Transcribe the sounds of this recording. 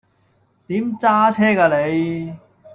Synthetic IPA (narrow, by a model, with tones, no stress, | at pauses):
t̪iː˨˥mt͡saː˥t͡sʰɛː˥kaː˧le˨˧j